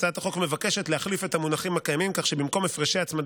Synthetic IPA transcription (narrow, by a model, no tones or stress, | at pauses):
t͡sat̪aχo̞kme̞vake̞ʃe̞tleaχlife̞t̪amunaχimhakajamimkaχʃebimko̞mefʁeʃeat͡smad